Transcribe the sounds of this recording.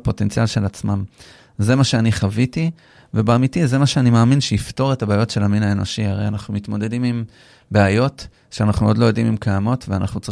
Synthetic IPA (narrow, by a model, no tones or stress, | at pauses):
po̞te̞nt͡sialʃe̞lat͡smam | ze̞maʃe̞aniχaviti | vebeamitize̞maʃeanimaːminʃeifto̞ʁe̞tabeajo̞tʃe̞laminae̞no̞ʃiaʁejanaχnumit̪mo̞d̪e̞dimim | beajo̞t | ʃeanaχnumo̞d̪lo̞jo̞d̪imimkajamo̞tveana̰χnut͡sʁ